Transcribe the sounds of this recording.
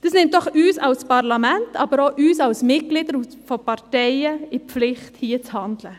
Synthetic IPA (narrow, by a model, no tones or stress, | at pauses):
d̪̥əsnɛnt̪d̪ɔχʉːsɑʉspɑɾlɑmɛnt̪ʰɑːbəɾoːʔʉːsɑʉsmɪt̚ɡlɪd̪əɾufɔpɑɾteɪəɪpflɪχt̪hiːət̪hɑnd̪lə